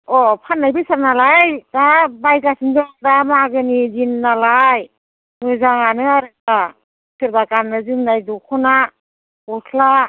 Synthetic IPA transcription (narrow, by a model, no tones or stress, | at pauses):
ɔpʰanːajbisaɾnalajdabajɡasɯŋdɔdamaɡɯnizinːalaj | mɯzaŋanɯaɾɯa | sɯɾbakanːɯzɯŋnajdukʰɔna | utʰla